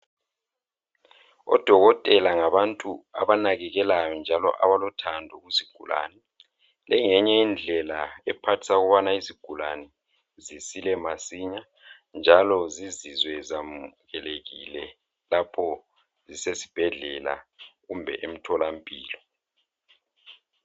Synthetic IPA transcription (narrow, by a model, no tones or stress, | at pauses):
ɔ̰d̥ʱɔɣɔtʼɛlaŋaβantʼua̰βanaɣɛɣɛlajɔnd͡ʒʱalɔ̰ʔaβalɔtʰandʱɔɣuziɡ̥ʱula̰ːnɛ | lɛŋɛɲɛind͡ɮʱɛlaɛpʰatʰi̥saɣɔβanaiziɡ̥ʱula̰nɛ | zisilɛmasiɲa | nd͡ʒʱalɔzizizwɛzamɣɛleɣilɛ | lapʰɔ | zisesi̥b̥ʱɛɮɛla̰ɣumbʱɛ̰ʔem̩tʰɔlam̩pʼiːlɔ